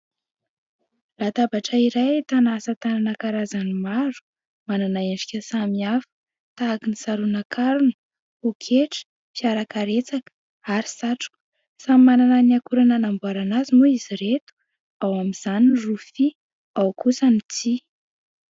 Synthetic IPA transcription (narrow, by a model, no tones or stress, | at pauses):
lat̪abaʈ͡ʂəiɾajt̪anasət̪ananakaɾazanimaɾu̥ | mananaeɳɖ͡ʐikʲəsamiafə̥ | t̪aːkinisaɾunakʰaɾunə̥ | okʰeʈ͡ʂə̥ | piaɾakaɾet͡sakə̥ | aɾisaʈ͡ʂu̥k | samimanananiakuɾananambuaɾanazimuiziɾet̪u̥ | awamiz̥aninrufi | awkusənit͡si